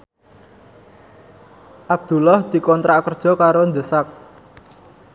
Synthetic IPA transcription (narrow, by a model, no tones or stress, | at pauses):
ʔab̥̚d̪̥ṳlɔhd̪̥i̤kɔnt̪ɾakərd̥ʒ̥ɔ̤kaɾond̪əsak̚